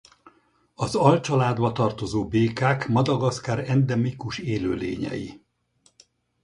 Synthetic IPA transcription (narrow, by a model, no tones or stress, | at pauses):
ɒzɒlt͡ʃɒlaːd̪bɒt̪ɒrt̪o̞zoːbeːkaːkmɒd̪ɒɡɒskaːɾɛnd̪ɛmikuʃeːløːlḛːɲɛ̰jḭ